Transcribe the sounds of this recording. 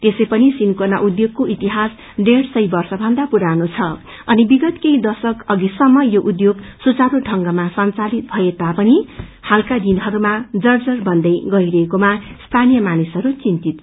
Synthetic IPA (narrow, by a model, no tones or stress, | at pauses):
t̪esʌjpʌnisinkonaʔud̪joɡ̚koʔit̪iɦas | ɖeɽsʌjbʌrsʌbʱʌnd̪apuɾanot͡sʰʌ | ʌnibiɡʌt̪kejd̪ʌsʌkʌɡisʌmːʌjoʔud̪joɡsut͡saɾuʈʌŋɡʌmasʌnt͡salit̪̚bʱʌjet̪apʌnihalkad̪inɦʌɾumad͡zʌrd͡zʌrbʌnd̪ʌjɡʌiɾʌɦekomast̪ʰanijʌmanisʌɾut͡sint̪it̪̚